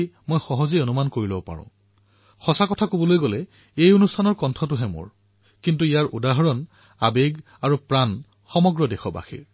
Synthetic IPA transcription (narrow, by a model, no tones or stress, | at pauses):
mojxɔɦɔzeonumankoɹilɔbɔpa̰ɹʊ̰̃ | xɔsakɔtʰakobɔlojɡɔlɛ | ejonustʰanɔɹkɔntʰɔtʊɦɛmo̰ɹ | kintuijaɹudaɦɔɹɔn | a̰beɡ | aɹupɹan | xɔmɔɡɹɔdɛxɔba̰xḭɹ